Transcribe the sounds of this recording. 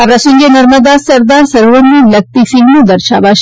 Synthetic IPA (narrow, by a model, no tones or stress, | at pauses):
aʋɾasə̃ŋɡenəɾməd̪asəɾd̪aɾsəɾʋənd̪iləɡ̚t̪isiŋɡnũd̪əɾʃa̰ʋaʃ